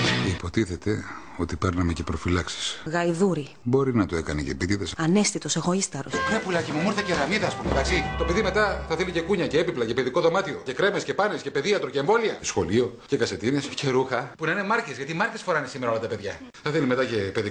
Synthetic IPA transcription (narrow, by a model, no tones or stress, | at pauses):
ceipo̞t̪iθet̪e̞ | o̞t̪ipe̞ɾnɐmece̞pɾo̞filɐksi̥sɣɐjðuɾi | bo̞ɾinɐt̪oe̞kɐnecḛpit̪iðesɐne̞st̪it̪o̞se̞ɣo̞ist̪ɐɾo̰sepulɐcemumuɾθɐceɾɐmiðɐːspumet̪ɐksit̪o̞peðime̞t̪ɐθɐθelice̞kuɲɐceepiplɐce̞peðiko̞ðo̞mɐt̪io̞ce̞kɾe̞mesce̞pɐnesce̞pe̞ðiɐt̪ɾoce̞eɱvo̞liɐsxo̞lio̞cekɐse̞t̪ine̞sce̞ɾuxɐpunɐine̞mɐɾçezʝɐt̪imɐɾcesfo̞ɾɐinesimeɾɐolɐt̪ɐpe̞ðʝɐ | θɐθelime̞t̪ɐce̞peði